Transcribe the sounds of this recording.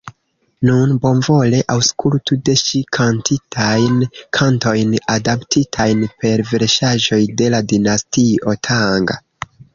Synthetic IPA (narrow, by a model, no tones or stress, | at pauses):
nunbo̞nvo̞le̞ʔawskʰultude̞ʃikʰantitʰajnkʰanto̞jnadaptʰitʰajnpe̞ɾve̞ɾʃaʒo̞jde̞ladinastio̞tʰaŋɡa̰